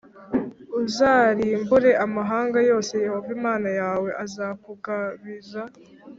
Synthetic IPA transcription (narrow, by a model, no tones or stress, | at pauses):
uzaːɾiːmbuɾe̞ʔamaɦaːŋɡajo̞ːse̞jaβavimaːnajaːwe̞ʔazakuɡaβiza